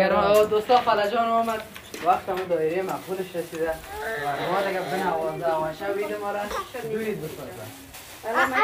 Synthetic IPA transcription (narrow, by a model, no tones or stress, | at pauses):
aɾd̪ost̪ɔxalad͡ʒɔnɔmad̪̚ | waqt̪amud̪ɔɪɾemaffulɪʃɾasid̪akɪbaɾmɔd̪ɪɡabɪnawɔzd̪awaʃawid̪ɪmɔɾad͡ʒuit̪̚bɪsɔza̰